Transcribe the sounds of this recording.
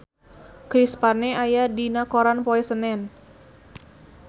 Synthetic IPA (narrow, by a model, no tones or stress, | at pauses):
kɾispaneajadinakoɾanpoɛsənɛn